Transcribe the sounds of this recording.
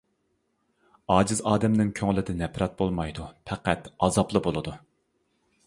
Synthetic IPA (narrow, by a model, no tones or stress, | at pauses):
ɑːd͡ʒizɑːd̪ɛmnɪŋkʲʰøŋlɪd̪ɛnɛpɾɑt̪̚bolˠmɑjd̪upʰɛqæt̪ɑzɑplˠɨbolˠɨd̪u